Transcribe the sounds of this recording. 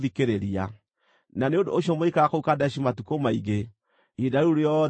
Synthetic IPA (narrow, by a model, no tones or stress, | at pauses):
ðikeɾeɾia | naneondo̰ːɕjɔmoikaɣakoukadɛʃimatukomaiɡe | idaɾuɾeɔ